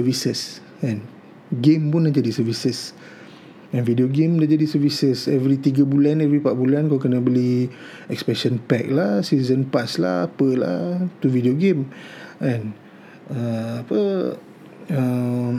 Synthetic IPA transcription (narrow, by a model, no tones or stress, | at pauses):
səvisəs | ɛ̃n | ɡẽmpunːãʔd͡ʒadisəvisəs | ɛ̃nvidioɡẽmnaʔd͡ʒadisəvisəsɛvɾit̪iɡəbulanɛvɾipaʔbulankakənəbəli | ɛkspɛʃə̃npɛk̚lahsiizənpasla̰hapəla̰t̪uvidioɡẽmɛ̃n | əapə | ə